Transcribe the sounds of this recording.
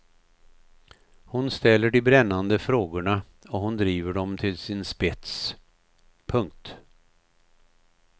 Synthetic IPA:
hʊnst̪ɛlːəɖɪbɾɛnːand̪əfɾoːɡʊɳa | ɔɦʊnd̪ɾiːvəɖɔmt̪ʰɪlsɪnspɛt̪s | pʰɵŋk̚t̪

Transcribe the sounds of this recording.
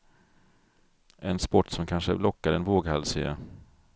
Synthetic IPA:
ʔɛnspɔʈːsɔmkʰanʂəlɔkːaɾɛnvoːɡhalsḛa̰

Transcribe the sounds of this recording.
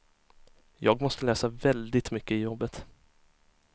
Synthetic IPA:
jɑːɡmɔst̪əlɛːsavɛld̪ɪt̪mʏkːəɪjɔbːət̪

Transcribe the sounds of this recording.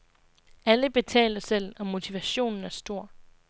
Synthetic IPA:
æləb̥e̝t͡sʰɛ̰ːlɐsel̰ɒ̽mo̝t͡sʰiʋæɕo̝̰ːnn̩æɐsd̥o̝ɐ̰

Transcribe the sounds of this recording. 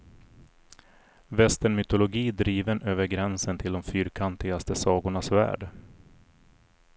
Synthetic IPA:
vɛst̪əɳmʏt̪ʊlʊɡiːd̪ɾiːvənʔøːvəɾɡɾɛnsənt̪ʰɪld̪ɔmfyːɾkʰant̪ɪɡast̪əsɑːɡʊɳasvæ̰ːɖ

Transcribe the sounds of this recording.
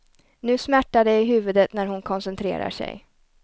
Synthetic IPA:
nʉ̟ːsmæʈːad̪ɛɪɦʉ̟ːvɵd̪ət̪næɾɦʊnkʰɔnsɛnt̪ʰɾḛːɾa̰ʂɛ̰j

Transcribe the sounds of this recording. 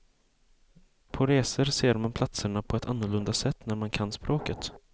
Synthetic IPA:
pʰɔɾeːsəɾseːɾmanpʰlat̪səɳapʰɔɛt̪ʰanːʊɭɵnd̪asɛt̪ːnæɾmankʰanːspɾʔoːkət̪

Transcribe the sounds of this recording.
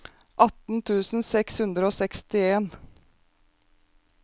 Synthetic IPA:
ʔɑt̪n̩t̪ʰʉːsn̩sɛkshʉnd̪ɾəoːsɛkst̪ɪeːn

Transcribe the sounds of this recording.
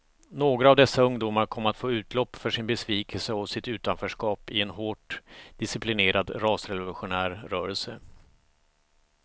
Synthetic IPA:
noːɡɾaːvd̪ɛsːaɵŋd̪uːmaɾkʰɔmːəɾat̪foːʉ̟ːt̪ʰlɔpːfœʂɪnbɛsviːkʰɛlsəɔsɪt̪ʉ̟ːt̪anfœːʂkɑːpɪɛnɦoːʈd̪̥ɪsɪplɪneːɾad̪ɾɑːsɾɛvʊlʊɧʊnæːɾːœːɾɛlsə

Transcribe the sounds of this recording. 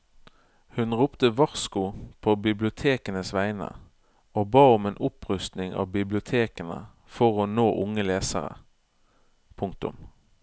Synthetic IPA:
hʉnʁʊːpt̪əʋɑʁskʊpʰoːbɪblɪʊt̪ʰeːkənəsʋæɪnə̰ | oːbɑːʊmeːnʔʊpʁʉst̪nɪŋɑ̰ːʋbɪblɪʊt̪ʰeːkənə̰ | fɔʁoːnoːʔʊŋəleːsə̰ʁə̰ | pʰʊŋk̚t̪ʊ̰m

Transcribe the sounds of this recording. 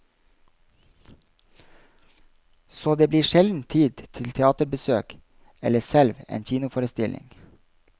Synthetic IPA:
soːd̪eːbliːʃɛld̪n̩t̪ʰiːd̪t̪ʰɪlt̪ʰɛɑːt̪əɾbəsøːk | ɛləsɛlʋḛːnçiːnʊfoːɾəst̪ɪlʔɪ̰ŋ

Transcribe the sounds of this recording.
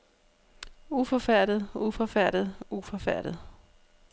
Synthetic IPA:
ufɒ̽fæɐ̰ɾ̥ð̩ˠufɒfæɐ̰ɾ̥ð̩ˠufɒ̽fæɐ̰ɾ̥ð̩ˠ

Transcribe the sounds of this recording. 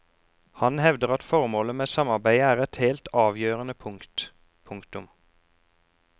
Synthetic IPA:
hɑnhɛʋd̪əʁɑt̪fɔʁmoːləmeːsɑmɑʁbæɪæːʁɛt̪heːlt̪ʰɑːʋjøːʁənəpʰʊŋkt̪ | pʰʊŋkt̪ʊm

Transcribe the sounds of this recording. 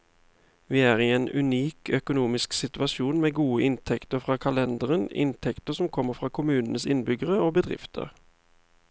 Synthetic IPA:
ʋiːæːʁiːeːnʉ̰niːkʰœkʊnuːmɪsksɪt̪ʉɑʃuːnmeːɡuːəʔɪnt̪ʰɛkt̪əfʁɑːkʰɑlɛnd̪əʁənɪ̰nt̪ʰɛkt̪əsɔmkʰɔmːəʁfʁɑːkʰʊmʉːnənəsɪnbʏɡəʁəoːbəd̪ʁɪ̰ft̪ʰə̰ʁ

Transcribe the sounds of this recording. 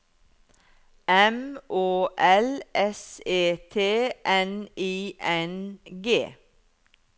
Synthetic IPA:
ɛmʔoːʔɛlʔɛseːt̪ʰeːʔɛniːʔɛnɡeː

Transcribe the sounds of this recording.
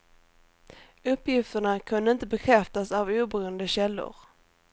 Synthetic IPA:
ɵpːjɪft̪əɳakʰɵnd̪əɪnt̪əbɛkʰɾɛft̪asavuːbɾuːənd̪əɕɛlːʊ̰ɾ

